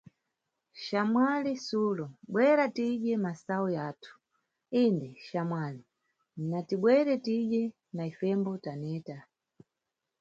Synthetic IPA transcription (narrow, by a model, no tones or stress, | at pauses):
ʃamwalisulɔɓwɛɾatiɗɛmasaujaːtʰu̥ | indɛʃamwali | natiɓwɛɾɛtiʄɛ | naifɛmbɔtanɛːta